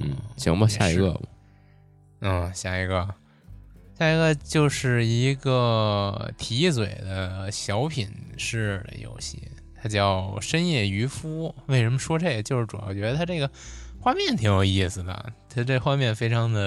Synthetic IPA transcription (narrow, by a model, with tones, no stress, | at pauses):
n̩˥˩ɕʰḭ˧˥ŋmɐ˧ɕja̰˥˧˩i˧˥ɡə̰˥˧mɐ˧˩˥ | ɕja˥˩i˧˥ɡə˧ | ɕja˥˩i˧˥ɡə˧t͡ɕjo˥˧ʊʂɻ̩˥˩i˧˥ɡə˧t̪ʰi˧˥t͡swe˨˩ɪd̪ə˦ɕjɑ˧˥ʊpʰi˨˩nʂɻ̩˥˩lə̰˩jo̰˧˥ʊɕḭ˥˩ | t̪ʰa˥t͡ɕjɑ˥˩ʊʂə˥njɛ˥˩y˧˥fu˥we˥˩ɪʂə˧˥nmə˧ʂwɔ˥ʈ͡ʂe˥˩ə˩t͡ɕjo˥˧ʊʂɻ̩˥˩ʈ͡ʂu˨jɑ˥˩ʊt͡ɕɥɛ˧˥d̪ə˧t̪ʰa˥ʈ͡ʂe˥˩ɡə˩xwa˥˧mjɛ˥˩nt̪ʰi˧˥jo˨˩ʊi˥˩sɹ̩˩d̪ə̰˩t̪ʰa˥ʈ͡ʂe˥˩ə˧xwa˥˧mjɛ˥˩nfe˥ɪʈ͡ʂʰɑ˧˥ŋd̪ə˧